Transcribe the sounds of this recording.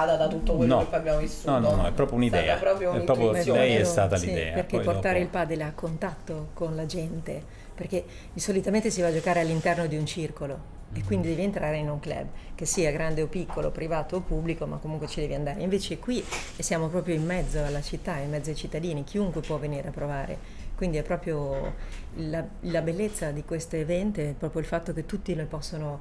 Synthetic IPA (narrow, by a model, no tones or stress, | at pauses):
ad̪ad̪at̪ut̪ːokwenɔokabjamovisːunɔnnɔɛpɾɔːpɾjounid̪ɛ̰ːapɾɔpɾjoɛpɾɔːpɾjoolɛjɛst̪aːt̪aisid̪ɛ̰ːaerkeport̪aːɾeilpaːd̪eleakːont̪at̪ːokonlad͡ʒɛnt̪e | perk̟e | isolit̪ament̪esivad͡ʒokaːɾealːint̪ɛrnod̪iunt͡ʃirkolo | ekːwind̪id̪ɛːvent̪ɾaːɾeinuŋklɛ̰bːk̟esiːaɡɾand̪eopikʰːolo̰pɾivaːt̪oːpublikoma̰kːomuŋkwet͡ʃid̪ɛːveand̪aːɾḛĩɱveːt͡ʃekwi | sjaːmopɾɔːpɾjoimːɛd̪zːoalːat͡ʃit̪ːaimːɛd̪zːoajt͡ʃit̪ːad̪iːnik̟ʰiuŋkwepwɔveniːɾeapːɾovaːɾḛ | kwind̪iɛpːɾɔːpɾjo | lalabelːet̪sːad̪ikwest̪oevɛnt̪eɛpːɾɔːpɾjoilfat̪ːok̟et̪ːut̪ːinojpɔsːono